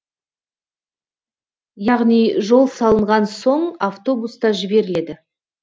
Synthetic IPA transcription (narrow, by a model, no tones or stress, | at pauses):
jɑʁnijʒo̞lˠsɑlˠəɴʁɑnso̞ɴaft̪o̞bust̪ɑʒɪbe̞ɾɪle̞d̪ɪ